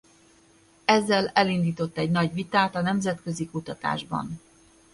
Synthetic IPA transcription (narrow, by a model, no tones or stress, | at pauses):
ɛzːɛlɛlind̪iːt̪o̞t̪ːɛɟnɒɟʋit̪aːt̪ɒnɛmzɛt̪kø̞zikut̪ɒt̪a̰ːʒbɒ̰n